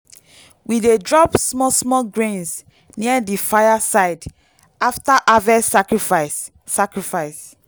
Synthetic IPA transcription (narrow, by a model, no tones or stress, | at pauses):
widedɹɔpsmɔsmɔɡɹẽns | niadifajasaɪd | aftaʔavɛakɹifasː | akɹifaɪs